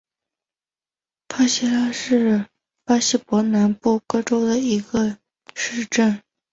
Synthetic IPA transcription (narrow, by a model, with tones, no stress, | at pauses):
pʰa˥ɕɛ˥la˥ʂɻ̩˥˩ | pa˥ɕi˥˩pwɔ˧˥na˧˥npu˥˩kɤ˥ʈ͡ʂo˥ʊd̪ə˨i˧˥ɡə˧ | ʂɻ̩˥˧ʈ͡ʂə˥˩n